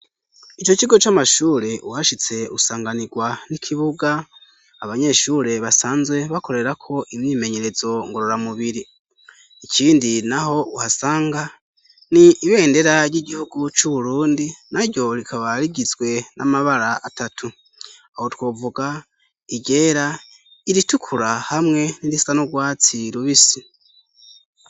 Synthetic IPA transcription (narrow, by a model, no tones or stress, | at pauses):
it͡ʃo̞t͡ʃiɡo̞t͡ʃamaʃuːɾe̞ʔuhaʃit͡se̞usaːŋɡaniɡwanikʰiβuɡaː | βaɲe̞ʃuːɾe̞βasaːnzwe̞βako̞ɾe̞ɾakʰo̞ʔimɲiːme̞ɲe̞ɾe̞zo̞ŋɡo̞ɾo̞ɾamuβiɾiː | cʰiːndinaɦo̞uhasaːŋɡa | niːβe̞ːnde̞ɾaɾjiɟihuɡut͡ʃuβuɾuːndinaɾɟo̞ɾikʰaβaɾiɟizɡwe̞nʔa̰maβaɾaːtatʰu | aho̞two̞ːvuɡa | iɟe̞ːɾa | iɾitukʰuɾahamŋe̞niɾisanoɡwaːt͡siɾuβisi